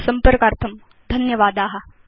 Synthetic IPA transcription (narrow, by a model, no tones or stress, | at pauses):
sɐmpəɾkaːɾt̪ʰɐm | d̪ʱɐnjɐʋaːd̪aːɦɐ